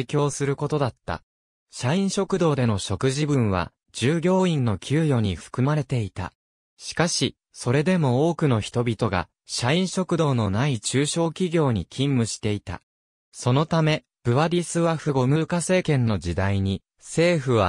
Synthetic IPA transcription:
kʲo̞ːsɨɾɯ̟ko̞t̪o̞d̪at̪ːa̰ | ɕaĩɰ̃ɕo̞kɯ̟d̪o̞ːd̪e̞no̞ɕo̞kɯ̟ʑibɯ̟̃ɰ̃β̞a̰ | d͡ʑɨːɡʲo̞ːĩnːo̞kʲʰɨːjo̞ːɲ̟iɸɯ̥kɯ̟maɾe̞t̪e̞it̪a̰ | ɕi̥kaɕi | so̞ɾe̞d̪e̞mo̞oːkɯ̟no̞çi̥t̪o̞bʲit̪o̞ɡa̰ | ɕaĩɰ̃ɕo̞kɯ̟d̪o̞ːnonait͡ɕɨːɕo̞ːkʲiɡʲo̞ːɲ̟ikʲʰĩmːɯ̟ɕi̥t̪e̞it̪a̰ | so̞no̞t̪ame̞ | b̥ɯ̟βaɾʲisɨβaɸɯ̟ɡo̞mɯ̟kase̞ːkẽ̞nːo̞d͡ʑid̪aiɲ̟i | se̞ːɸɯ̟β̞a

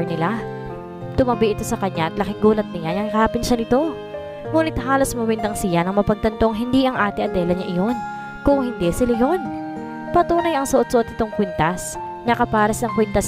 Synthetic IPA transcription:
nɪla | t̪ʊmɐbiʔɪt̪o̞sɐkɐɲaʔɐt̪lɐkɪŋɡuːlɐt̪̚nɪjajɐŋhaːpɪnʃanɪt̪o̞ | muːnɪt̪haːlo̞smɐwɛnd̪ɐŋsijɐnɐŋmɐpɐɡ̚t̪ɐnt̪o̞ŋɦɪnd̪iʔɐŋʔaːt̪ɪʔɐd̪ɛːlɐɲaʔɪjo̞n | kʊŋhɪnd̪ɛsɪlajo̞n | pɐt̪uːnɐjɐŋsɐʔo̞t̪̚soʔot̪̚ɪt̪o̞ŋkwɛnt̪ɐs | nɐkɐpaːɾɐsnɐŋkwɛnt̪ɐs

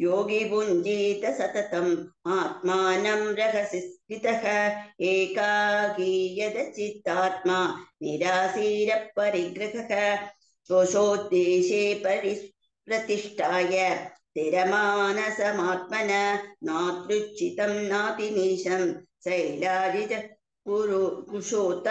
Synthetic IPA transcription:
joːɡibund͡ʒiːt̪ɐsɐt̪ɐt̪ɐmaːt̪̚maːnɐmɾɐɦɐsist̪it̪ɐɦɐeːkaːɡijɐd̪ɐt͡ʃit̪ːaːt̪̚maːniɾaːsiːɾɐp̚ːɐɾiɡɾɪɦɐɦɐ | sʋoʃoːd̪eːʃeːpɐɾi | pɾɐt̪iʂʈʰaːjɐt̪eɾɐmaːnɐsɐmaːt̪̚mɐnɐnaːt̪ɾut͡ʃit̪ɐmnaːp̪iniːʂɐmsɐjlaːɾit̪ɐ | kuɾkuʂoːt̪

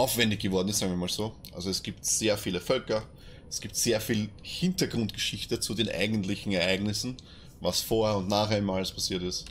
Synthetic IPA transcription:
ʔaʊfv̥ɛndɪçɡ̥əvɔɐdn̩ɪstsaːŋviɐmaːlz̥oːʔa̰lzoɛsɡ̥iːptz̥eːɐfiːləfœlkɐ | ɛsɡ̥iːp̚tz̥eːɐfiːlhɪntɐɡʁʊntɡ̥əʃɪçtət͡sudeːnʔa̰ɪɡəntlɪçn̩ɛɐʔæɪɡnɪsn̩ | vasfoːɐhɛɐʊntnaːxæɪnmaːlspʰasiːɐtɪst

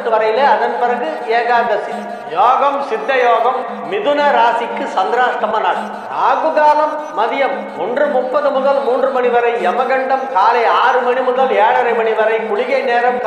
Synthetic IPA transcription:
ʈːɯʋɐɾɐjɪleːɐðɐnpɪrɐɣɯeːɣaːɣɐsi | joːɣɐmsɪd̪ːɐjoːɣɐmː | ɪðɯnɐɾaːsɪkːɯsɐnd̪ɾaːst̪ɐmɐnaːɭ | aːɣɯɣaːlɐmːɐðɪjɐmːʊndrɯmʊpːɐðɯmʊðɐlmuːndrɯmɐnɪʋɐɾɐɪɛmɐɣɐɳɖɐmkaːlɐɪaːrɯmɐɳimʊðɐleːɽɐɾɐɪmɐɳɪʋɐɾɐɪkʊɽɪɣɐɪneːɾɐmk

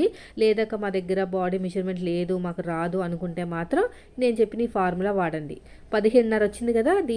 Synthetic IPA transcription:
i | lɛːd̪aːkːɐmaːd̪ɛɡːɐɾɐbaːɽiːmed͡ʒɐɾme̞ɳʈle̞ːd̪umaːkuɾaːd̪uɐnukuɳʈe̞ːmaːt̪ɾɐm | ne̞ːnut͡ʃe̞pːiniːpʰaːɾmulɐʋaːɽɐɳɖḭ | pɐd̪iɦeɽunɐɾʋot͡ʃːind̪ikɐd̪aːd̪iː

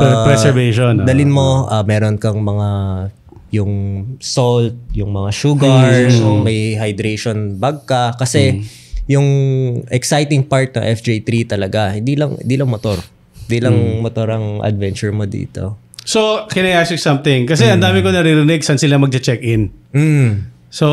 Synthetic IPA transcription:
pɾɛsɛɹveʃond̪ɐlɪnmo̞ʔɐmɛːɾonkɐŋmɐŋa | jʊŋsolt̪̚jʊŋmɐŋaʃuːɡɐɹomɐjɦɐjd̪ɾejʃonbaɡ̚kɐkɐsɛ | jʊŋʔɛksajt̪ɪŋpaɹt̪̚nɐ̰ŋʔɛfd͡ʒejt̪ɾit̪ɐlɐɡahɪ̰nd̪ilɐŋhɪ̰nd̪iːlɐŋmɐt̪oɾ | ɪnd̪ilɐŋmɐt̪oɾɐŋʔɐ̰d̪̚vɛnt͡ʃʊɹmod̪ḭːt̪o̞̰ | sokɪnɐasʊsɐmt̪ɪŋkɐs̬ɛɐnd̪aːmɪkonɐɾiɾɪnɛɡ̚sɐnsɪlamɐɡ̚t͡ʃ̪ɐt͡ʃɛkʔɪnm̩ː | so

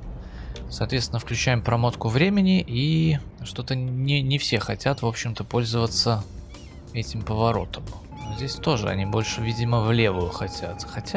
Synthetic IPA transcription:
sɐːt̪vʲesʲɪnəfklʲʉt͡ɕæjɪmpɾɐmo̞t̪kʊvɾʲemʲɪnʲɪʔi | ʂt̪o̞t̪ənʲɪnʲɪfsʲe̞xɐtʲat̪vo̞pɕːɪmt̪əpo̞lʲzəvət̪sə | ɛtʲɪmpəvɐɾo̞̰t̪ʰəm | zʲdʲesʲt̪o̞ʐɨ̰ɐ̰nʲibo̞lʲʂɨvʲidʲɪməvlʲe̞vʊjʊxɐtʲa̰t̪xɐtʲa

